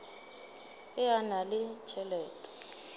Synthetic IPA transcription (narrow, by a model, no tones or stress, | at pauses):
ɪanalɪt͡ʃʰɛlɛːtʼɛ̥